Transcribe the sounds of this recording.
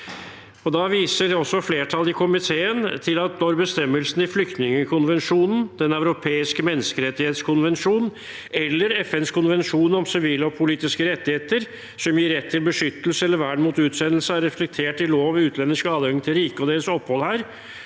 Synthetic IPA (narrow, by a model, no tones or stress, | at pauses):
ɔd̪ɑʋiːsədɛɔsːɔfleːʈʰɑlːɪkʰʊmɪt̪ʰeːənt̪ʰɪlɑt̪̚nɔɾbəst̪ɛmːəlsn̩ɪflʏkt̪nɪŋəkʰʊnʋɛnʂuːnn̩d̪̥ɛnæʉɾʊpʰeːɪskəmɛnːəskəɾɛt̪ːɪheːt̪skʰʊnʋɛnʂuːn | ɛlːəɾɛfɛnskʰʊnʋɛnʂuːnɔmsɪʋiːləɔpʰʊliːt̪ɪskəɾɛt̪ːɪheːt̪əɾ | sɔmjɪɾɛt̪ʰːɪlbəʂʏt̪ːəl̩səɛlːəɾʋæːɖmuːt̪ʉːt̪sɛnəlsəæɾɛflɛk̚t̪ʰeːʈɪloːʋɔʋmʉːt̪ʰlɛnːəʂkɑːd̪əɛŋŋt̪ʰɪlɾiːkəɔd̪eːɾəsɔpːhɔlhæːɾ